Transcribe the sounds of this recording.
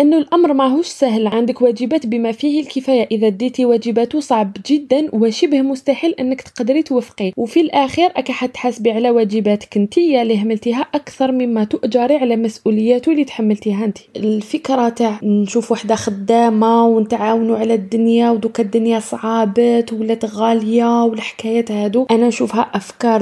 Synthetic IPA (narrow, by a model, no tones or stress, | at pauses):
ʔənːulʔɑmɾˤmæɦuʃsæɦlʕand̪əkwæd͡ʒəbæt̪bəmæfihilkəfæjaʔəðæd̪it̪iwæd͡ʒəbæt̪usˤɑʕbʒəd̪ːænwəʃəbhmʊst̪aħəlːʔənːəkt̪qɑd̪ɾit̪wəfqiwfilʔæxiɾʔækaħat̪ːħasbiʕlæwæd͡ʒəbæt̪ə̥kənt̪əjːalihamːəlt̪iɦæʔakt̪ɑɾˤməmːæt̪ʊʔd͡ʒɑɾˤiʕalæmæsʔuləjːæt̪ulit̪ħamːəlt̪iɦænt̪i̥əlfəkɾˤɑt̪aʕnʃufwaħd̪axəd̪ːæmawnət̪ʕawnuʕalæd̪ːʊnjawd̪ukad̪ːʊnjasˤʕɑbət̪wəlːæt̪ɣɑljawəlħkæjæt̪hæd̪uʔænænʃufhæʔəfkɑɾˤ